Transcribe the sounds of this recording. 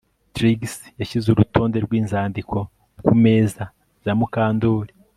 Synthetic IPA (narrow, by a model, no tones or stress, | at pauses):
tɾiɡsjaʃizuɾuto̞ːnde̞ɾɡwiːnzaːndikʰo̞ | kume̞ːza | z̥amukaːndoɾi